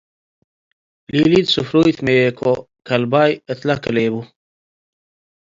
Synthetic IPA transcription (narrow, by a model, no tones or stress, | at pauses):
liːlid̪sufɾujt̪meekʰo | kɐlbajət̪lɐkəleːbu